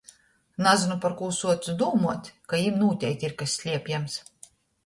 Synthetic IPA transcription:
nazɨnupaɾkuːsuɔt̪sud̪uːmuɔt̪ʲkajimnuːt̪ʲɛjt̪ʲiɾkasʲsʲlʲiɛpʲjɛms

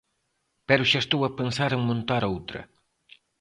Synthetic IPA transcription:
pɛɾʊʃaest̪owɐpensaɾeŋmõnt̪aɾowt̪ɾɐ̰

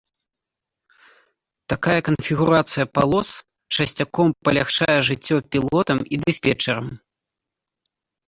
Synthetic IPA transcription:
t̪akajɐkɐnfʲiɣuɾat̪sɨjɐpalˠɔs | t͡ʂɐsʲt͡sʲakɔmpɐlʲaxt͡ʂajɛʐɨt͡sʲːɔpʲilˠɔt̪ɐmid̪ɨsʲpʲɛt͡ʂɛɾɐm

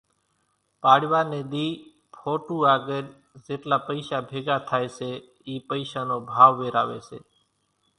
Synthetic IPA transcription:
paːɽʋaːneːd̪iː | pʰoːʈũːaːɡeɾ | d͡ʒeːʈlaːpəɪʃaːbʱeːɡaːt̪ʰaːeseː | iːpəɪʃaːnoːbʱaːʋːeːɾa̰ːʋḛːsḛː

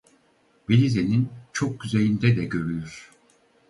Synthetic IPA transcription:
belʲizenint͡ʃʰo̞k̚ɟyzelʲind̪ɛd̪ɛɟø̞ɾyjyɾ̥

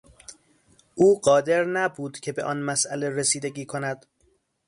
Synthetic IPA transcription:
ʔuːɢɒːd̪e̞ɾnæbuːd̪̥cʰe̞be̞̰ʔɒːnmæsʔæle̞resiːd̪eɟiːkʰonæd̪̥

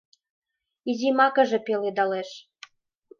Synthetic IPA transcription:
izʲimɑkə̆ʒĕpeled̪ɑleʃ

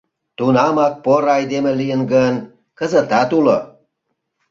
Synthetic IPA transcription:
t̪unɑmɑk̚poɾɑjd̪emĕlijənɡən | kə̆zə̆t̪ɑt̪ulo

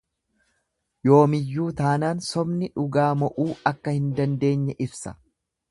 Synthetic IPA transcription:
jo̞ːmɪjːuːt̪aːnaːnsɔbnɪᶑʊɡaːmɔʔuːɐkːɐhɪnd̪ɐnd̪e̞ːɲːɛʔɪbsɐ̥

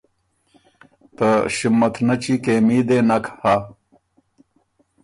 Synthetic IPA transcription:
t̪ɐɕimɐt̪ʰnɐt͡ɕikeːmiːd̪eːnɐkhaː

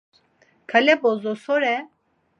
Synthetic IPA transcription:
kʰalɛbozosoɾɛ

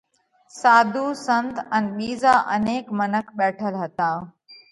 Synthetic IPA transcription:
saːd̪ʱuːsə̃nt̪ɛ̃nɓiːzaːʔɐneːkmənəkʰɓɛːʈʰəlɦɐt̪ãː

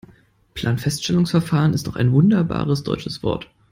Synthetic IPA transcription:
pʰl̥aːnfɛstʃtɛlʊŋsfɛɐfaːʁənɪstnɔχa̰ɪnvʊndɐba̰ːʁəsd̥ɔ̰ʏt͡ʃəsv̥ɔ̰ɐt

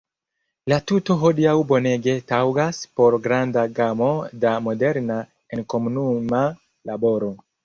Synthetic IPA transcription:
latuto̞ɦo̞diawbo̞ne̞ɡe̞tawɡaspo̞ɾɡɾandaɡamo̞damo̞de̞ɾna | enko̞munuma | labo̞ɾo̞

